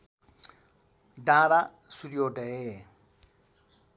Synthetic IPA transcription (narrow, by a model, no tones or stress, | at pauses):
ɖãɾa | suɾijoʈee